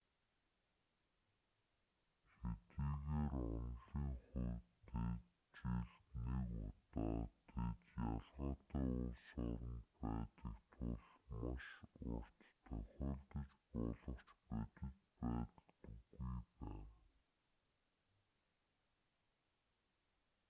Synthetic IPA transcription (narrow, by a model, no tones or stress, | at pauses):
xet̪iːɣeːrʊnɮiːŋχuːt̪e | t͡ɕiɮt̪niːkʊ̰t̪ɔːt̪et̪jaɮʁʊːt̪œːʊsʊɾə̆mpæːt̪ə̆kt̪ʰuɮmʊʃʊ̰r̥t̪t̪ʰœxʲeːnt̪ɘ̆t͡ɕpʊɮə̆kt͡ɕpet̪ɘ̆kpæːt̪ə̆t̪ɘɡujpæː